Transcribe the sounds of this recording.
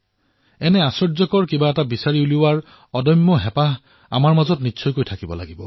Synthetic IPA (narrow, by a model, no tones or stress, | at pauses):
ɛnɛasɔɹzɔkɔɹkibaɛtabisaɹiuliwaɹ | ɔdɔjmːɔɦɛpaɦ | a̰maɹmazɔtnitːsʰɔjkojtʰakibɔ̰la̰ɡibɔ̰